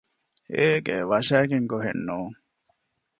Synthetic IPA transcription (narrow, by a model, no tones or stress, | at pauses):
eːɡeʋɐʃæːɡeŋɡoɦḛnːoːŋ